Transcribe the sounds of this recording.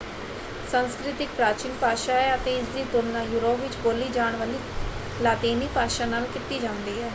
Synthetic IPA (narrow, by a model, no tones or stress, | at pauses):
sənskɾɪt̪ɪk̚pɾaːt͡ʃiːlpaːʃaːɛːət̪ẽːɪs̬d̪iːt̪ʊlnãːjuːɾoːpʋɪt͡ʃboːliːd͡ʒaːɳʋəliː | laːt̪eːniːpaːʃaːnaːlkɪt̪iːd͡ʒãːnd̪iːɦɛː